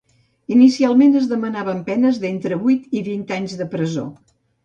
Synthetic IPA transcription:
inisialˠmenəzðəmənaβəmpɛnəzðent̪ɾəβujt̪iβint̪aɲzðəpɾəzo̰

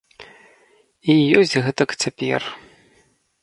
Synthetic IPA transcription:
ijozʲɣɨt̪ʼɐkʼt͡sʰɐpʲijɛ̰r

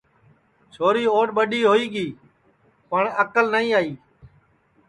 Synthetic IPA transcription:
t͡ʃʰoːɾiːoːɖɓəɗiːɦoːiːɠiː | pəɳəkəlnəĩːaːiː

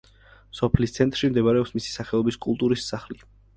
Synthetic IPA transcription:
sɔpʰlist̪sʰɛnt̪ʼɾʃimd̪ɛbaɾɛɔpsmisi̥saχɛɔbiskʼulˠt̪ʼuɾisːaχli

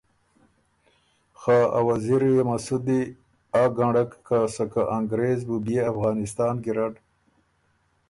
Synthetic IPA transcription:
xaːa̰waziɾjemasud̪i | aɡaɳɖakːasakaʔaŋɡɾeːzbubeafɣɑːnɪst̪ɑːnɡiɾaʈ

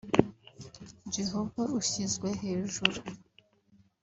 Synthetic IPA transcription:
d͡ʒeɦo̞vauçizɡwe̞ɦe̞ːʒuɾu

